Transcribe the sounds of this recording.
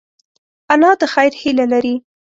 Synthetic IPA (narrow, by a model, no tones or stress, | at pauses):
alɑd̪əxajɾhilalaɾi